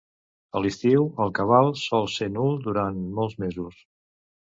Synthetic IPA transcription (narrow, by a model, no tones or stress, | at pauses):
əlist̪iwəlˠkəβ̞alˠsɔlˠsenulˠd̪uɾanmɔlˠzmezus